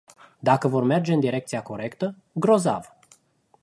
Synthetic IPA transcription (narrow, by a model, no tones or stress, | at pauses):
d̪akəvo̞rme̞rd͡ʒe̞ɨnd̪iɾe̞k̚t̪siako̞ɾe̞kt̪ə | ɡɾo̞za̰v